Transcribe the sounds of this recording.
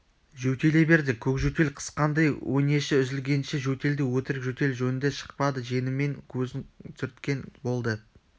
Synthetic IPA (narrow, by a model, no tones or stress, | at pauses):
ʒɵt̪e̞le̞be̞ɾd̪ɪkʲʰɵkʒɵt̪e̞lqʰə̥sqɑnd̪ɑjwʔone̞ʃɪʏzɪlɡʲe̞nʃɪʒɵt̪e̞ld̪ɪwɵt̪ɪɾɪkʒɵt̪e̞lʒɵnɪnd̪e̞ʃə̥q̚pɑd̪əʒe̞nɪmːe̞ŋkʲʰɵzɪŋt̪ʰʏɾt̪kʲe̞nbo̞lˠd̪ə